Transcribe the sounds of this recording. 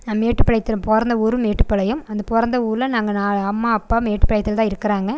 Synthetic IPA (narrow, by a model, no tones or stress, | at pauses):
naːmeːʈːɯpːɐɭɐɪt̪ːɪɾɐmpɔɾɐnd̪ɐɔɾɯmeːʈːɯpːɐɭɐjɯmɐnd̪ɐpɔɾɐnd̪ɐuːɾlɐnaːŋɡɐnaːɭɐmːaːɐpːaːmeːʈːɯ̥pɐɽɐɪt̪ːɪlt̪ãːɪɾɯkːɐɾaːŋɡɐ